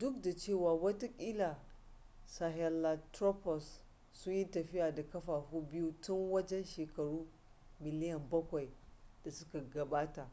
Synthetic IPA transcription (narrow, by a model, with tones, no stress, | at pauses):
dʊ˦kda˨t͡ʃeː˦˨waː˨wɐ˦ta˦kʲʼiː˦la˨ | sa˨ɦɛ˨la˨tɾo˦pɔ˨sː | ʊ˦ɲji˦tɐ˨ɸɪ˦ʔaː˨da˨kɐ˦ɸaː˨hu˦bɪ˦ju˦tʊ˦ŋwɐ˦d͡ʒɛ˦nʃeː˨kɐ˨ɽuː˦ | mɪ˨lɪ˦jɐ˨mbɐ˦kʷa˨jd̥a˨sʊ˦ka˨ɡɐ˨baː˦ta˨